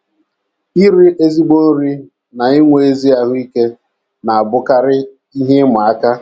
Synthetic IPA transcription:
i˦ɾi˦ʔe˦zi˦ɡ͡bo˦n̩˦ɾi˦ | na˨i˦ŋʷe˨e˦zi˦a˨ɦʊ˦i˦ke˦ | na˨a˨bʊ˦ka˦ɾɪ˦ | i˦ɦe˦mʊ˨a˦ka˦

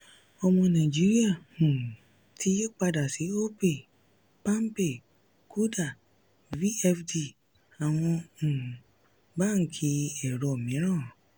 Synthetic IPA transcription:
ɔ˨mɔ̃˧nã˨d͡ʒi˦ɾi˦a˦˨nũ˨ | tʰi˦je˦k͡pa˦da˨si˨˦o˦pe˨ | pã˦m˦pe˨ | kʰu˦da˨ | vi˦ɛ˦fdi˦˨ | a˨w̃ɔ̃˧n̩˨ | ba˦˨ŋ̩˨kʰi˧ɛ˨ɾɔ˨mĩ˨˦ɾ̃ãː˦˨

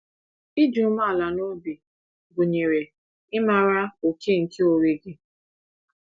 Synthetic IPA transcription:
i˦d͡ʒu˨˦ma˦˨la˨no˦bi˨ | ɡo˨ɲe˨ɾe˨ | ɪ˦ma˦˨ɾa˦o˨kʰe˦˨ŋ̩˨ke˦o˨ɾe˨ɡɪ˦

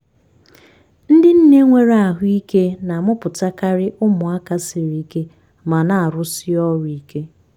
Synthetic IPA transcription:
n̩˦dɪ˦n̩˦ne˦ŋʷe˦ɾa˨ɦʊ˦i˦ke˦na˨mʊ˦pʊ˨ta˦ka˦ɾɪ˦ʔʊ˦mʊ˨a˦ka˦sɪ˨ɾi˨˦ke˦ | ma˨na˨a˨ɾʊ˦sɪ˦ɔ˦ɾʊ˨i˦ke˦

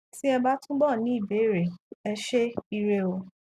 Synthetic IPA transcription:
ti˦ɛ˧ba˦tũ˦ɡ͡bɔ˦˨nĩ˨˦i˦˨be˨˦˨ɾe˨ɛ˧ʃe˦i˧ɾe˧o˧

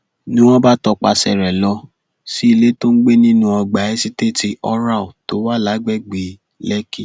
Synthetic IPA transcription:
nĩ˦w̃ɔ̃˦ba˦tɔ˧k͡pa˧sɛ̰˨ɾɛ˨lɔ˧˦ | si˦i˧le˦to˦n̩˦ɡ͡be˦nĩ˦nũ˦ɔ˧ɡ͡ba˨˦ɛ˦si˦te˦˨ti˧ɔ˦ɾa˦˨o˨to˨˦wa˦˨la˨˦ɡ͡bɛ˦˨ɡ͡bi˨ | lɛ˦ki˦

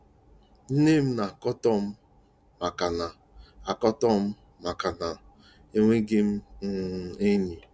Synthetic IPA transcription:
n̩˦ne˦m̩˦na˨kɔ˦tɔ˦m̩˦ | ma˨ka˨na˨ | a˨kɔ˦tɔ˦m̩˦ | ma˨ka˨na˨ | e˦ŋʷe˦ɡɪ˦m̩˦n̩˦˨e˦ni˨

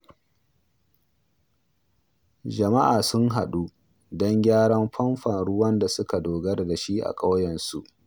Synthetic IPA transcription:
d͡ʒɐ˨ma˦ʔaː˨sʊ˦ŋɦa˨ɗu˦ | dɔ˦ŋɡʲaː˦ɽɐ˦mɸɐ˦mɸɐ˨nɽʊ˦wɐ˦nda˨sʊ˦ka˨doː˨ɡɐ˦rda˨ʃi˦ʔa̰˨kʼɐ˦wjɐ˨nsu˨ʔ

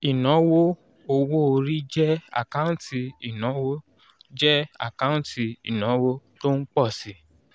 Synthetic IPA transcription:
i˨nɔ̃˨˦wo˦ | o˧wo˦o˧ɾi˦d͡ʒɛ˦a̰˨kã˦ũ˦ti˧i˨nɔ̃˨˦wo˦ | d͡ʒɛ˦a̰˦˨kã˦ti˧i˨nɔ̃˨˦wo˦to˦n̩˦k͡pɔ˦˨si˨˦

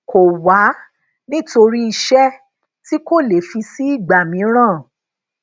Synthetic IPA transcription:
ko˨wa˨˦ | nĩ˦to˧ɾi˦i˧ʃɛ˦ | ti˦ko˦˨le˨fi˧si˦i˦˨ɡ͡ba˨mĩ˨˦ɾ̃ãː˦˨

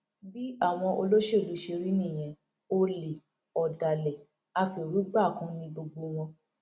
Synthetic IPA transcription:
bi˦a˦˨w̃ɔ̃˧ʔo˧lo˦ʃe˦˨lu˨˦ʃe˧ɾi˦nĩ˦˨j̃ɛ̃˨ | o˧le˨ | ɔ˨da˨lɛ˨ | a˧fi˧˨ɾu˨˦ɡ͡ba˦˨kã˦nĩ˦bo˧ɡ͡bo˧˦w̃ɔ̃˧

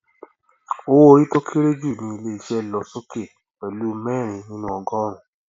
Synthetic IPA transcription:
o˦wo˦˧i˦to˦kʰe˦ɾe˦d͡ʒu˦˨nĩ˧i˧le˦i˧ʃɛ˦lɔ˧so˦ke˦˨ | wɛ˨lu˦mɛː˦˨ɾ̃ĩ˨˧nĩ˦nũ˦ɔ˧ɡɔ̃˦ɾ̃ũ˨

